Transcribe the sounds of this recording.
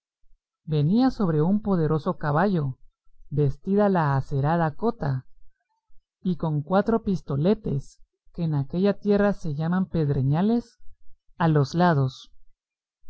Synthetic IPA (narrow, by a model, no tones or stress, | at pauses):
be̞niaso̞βɾe̞umpo̞ð̞e̞ɾo̞so̞kaβaʝo̞ | be̞st̪iðalaːse̞ɾaðako̞t̪a | iko̞ŋkwat̪ɾo̞pist̪o̞le̞t̪e̞s | ke̞ːnake̞ʝat̪je̞rase̞ʝamampe̞ðɾeɲale̞s | alo̞zlað̞o̞s